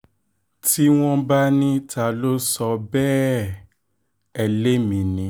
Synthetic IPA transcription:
ti˦w̃ɔ̃˦ba˦nĩ˦tʰa˧˨lo˦sɔ˧bɛ˦ | ɛ˨le˦mĩ˨˦nĩ˨˦

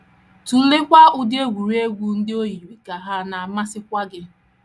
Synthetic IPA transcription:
tu˨˦lɪ˦kʷa˦ʊ˦dɪ˦e˦ɡʷu˨ɾi˦e˦ɡʷu˨n̩˦dɪ˦o˦ji˨ɾi˨ka˨ɦa˦na˨a˨ma˦sɪ˦kʷa˦ɡɪ˦

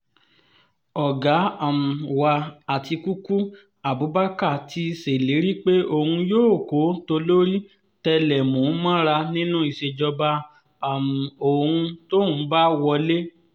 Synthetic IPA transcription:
ɔ˨ɡa˨˦a˨m̩˨wa˧a˨ti˧ku˦ku˦ | a˨bu˨˦ba˦ka˦˨tʰi˧se˨le˨˦ɾi˦k͡pe˦o˧˨hũ˧joː˦˨ko˨˦to˧lo˦ɾi˦ | tɛ˧lɛ˨mõ˨˦mã˦ɾa˧nĩ˦nũ˦i˨ʃe˧d͡ʒɔ˧ba˧ | a˨m̩˨o˨hũ˧to˦hũ˨˦ba˦wɔ˧le˦

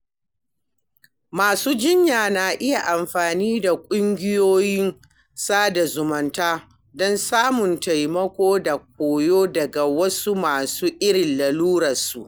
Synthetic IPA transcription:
maː˨suː˦d͡ʒɪ˦ɲjaː˨na˨ʔɪ˦ja˨ʔa˨mɸaː˨niː˦da˨kʷʼʊ˦ŋɡʲɪ˦joː˦jɪ˦n | saː˦da˨zʊ˨mɐ˨ntaː˦ | dɔ˦nsaː˦mʊ˨nta˨jmɐ˦kʷoː˦da˨k̚ʷoː˨joː˦dɐ˨ɡa˨wɐ˦su˦maː˨suː˦ʔɪ˦ɽɪ˨nlɐ˨luː˦ɽɐ˨su˨ʔ

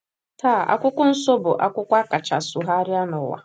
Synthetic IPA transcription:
ta˦˨a̰˨kʷʊ˦kʷʊ˦n̩˦so˦bʊ˨ʔa˦kʷʊ˦kʷa˦ka˨t͡ʃa˨sʊ˨ɦa˦ɾɪ˦a˦nʊ˨wa̰˨

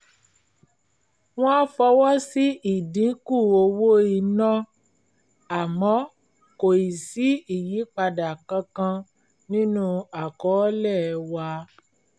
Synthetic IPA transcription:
w̃ɔ̃˦a˦fɔ˧wɔ˦si˦i˦˨dĩ˨˦ku˦˨o˧wo˦i˧nã˦ | a˨mɔ̃˨˦ | ko˨i˨si˨˦i˦˨ji˨˦k͡pa˧da˨kã˧kã˧ | nĩ˦nũ˦a˨kɔ˨˦lɛ˦˨˧wa˧

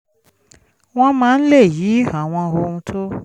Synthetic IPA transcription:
w̃ɔ̃˦mãː˦˧n̩˦le˦˨ji˨˦ha˨w̃ɔ̃˧ɦo˧ũ˧tʰo˦

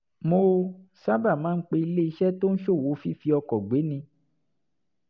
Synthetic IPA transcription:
mo˧sa˦ba˦˨mãː˦n̩˦k͡pe˧i˧le˦i˧ʃɛ˦to˦n̩˦ʃo˦˨wo˨˦fi˦fi˧ɔ˧kɔ˨ɡ͡be˨˦nĩ˧

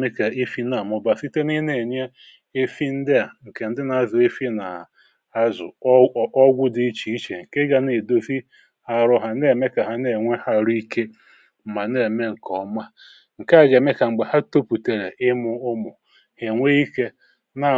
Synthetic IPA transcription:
me˦ke˨e˦fi˦na˨mʊ˨ba˨si˦te˦ni˦ne˨ɲe˦ | e˦fi˦n̩˦dɪ˦a˨ŋ̩˨ke˨n̩˦dɪ˦na˨a˨zʊ˨e˦fi˦na˨ | a˦zʊ̰˨˦ɔ˦ɡʷʊ˦dɪ˦i˦t͡ʃi˨i˦t͡ʃe˨ŋ̩˨ke˦ɡa˨ne˨do˦fi˦ | ha˨ɾʊ˦ɦa˨ne˦˨me˦ka˨ɦa˨ne˦˨ŋʷe˦ha˦ɾi˦ke˦ | m̩˨ma˨ne˦˨me˦ŋ̩˨kɔ˦ma˦ | ŋ̩˨ka˦˨ɡe˨˦me˦ka˨ŋ͡m̩˨ɡ͡be˨ha˦to˦pu˨te˨ɾe˨ʔɪ˦mʊ˦ʊ˦mʊ˨ | he˨ŋʷe˦i˦ke˦ | na˨

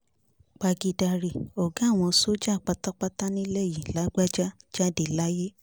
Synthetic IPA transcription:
k͡pa˧ɡi˧da˧ɾi˨ɔ˨ɡã˨˦˨w̃ɔ̃˧so˦d͡ʒa˦˨k͡pa˧˦ta˦k͡pa˦ta˦nĩ˦lɛ˦˨jĩ˨la˨˦ɡ͡ba˦d͡ʒa˦d͡ʒa˦de˨la˦je˦

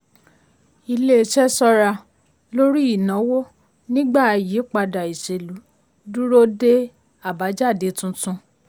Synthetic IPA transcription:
i˧le˦ʃɛ˦sɔ˧ɾa˧ | lo˦ɾi˦i˦˨nã˨˦wo˦ | nĩ˦ɡ͡ba˦˨˧ji˨˦k͡pa˧da˨i˨ʃe˨lu˨˦ | du˦ɾo˦de˦ | a˦˨ba˨˦d͡ʒa˦˨de˨˦tũ˦tũ˧

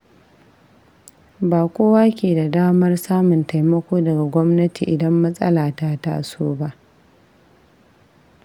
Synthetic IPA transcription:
baː˨kʷoː˦waː˦kʲeː˨da˨daː˦mɐ˦rsaː˦mʊ˨nta˨jmɐ˦kʷoː˦dɐ˨ɡa˨ɡʷɔ˦mnɐ˦ti˨ʔɪ˨dɐ˦mːɐ˦sʼɐ̰˦laː˨ta˦ta˦ʔa̰˨soː˦ba˦ʔ

